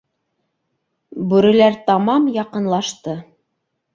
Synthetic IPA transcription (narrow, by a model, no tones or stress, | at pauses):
bʉɾɘ̆læɾt̪ɑmɑmjɑqɤ̆nlˠɑʃt̪ɤ